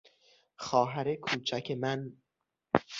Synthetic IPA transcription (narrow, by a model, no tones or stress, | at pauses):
xɒːɦæɾe̞kʰuːt͡ʃʰæcʰemæn